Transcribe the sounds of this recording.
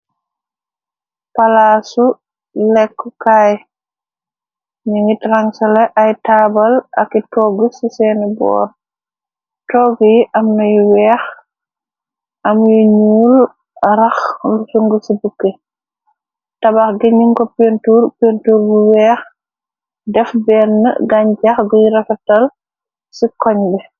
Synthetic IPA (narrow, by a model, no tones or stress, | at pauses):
palaːsu | lɛkːɔkaːj | ɲiŋɡitraŋsɐlɛʔajtaːbɐlɐkːitɔːɡusisɛnɛbɔ̰ːr | tɔːɡjiʔamnɐjiwɛːx | ɐmjiɲuːl | ɾɐxlusuŋɡəsibukːe | tɐbaxɡeɲiŋkɔpentuːɾpentuːɾbuwɛːx | dɛfbɛnːə̰ɡaɲd͡ʒaxɡujiɾɛfɛtɐl | sikɔɲbɛ